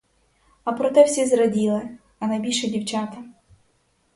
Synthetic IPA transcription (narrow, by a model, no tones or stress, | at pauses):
ɐpɾɔt̪ɛwsʲizɾɔdʲilˠɪ | ɐnɐjbʲilʲʃɛdʲiwt͡ʃat̪ɐ